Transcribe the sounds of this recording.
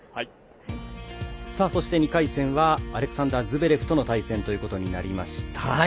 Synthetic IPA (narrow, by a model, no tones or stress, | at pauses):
saːso̞ɕi̥t̪e̞ɲ̟ikaisẽ̞ɰ̃βaːɾe̞kɯ̟̥sãnd̪azɨbe̞ɾe̞ɸɯ̟̥t̪o̞no̞t̪aisẽnt̪ojɯ̟ːko̞t̪o̞ɲ̟ina̰ɾʲimaɕi̥t̪ʰa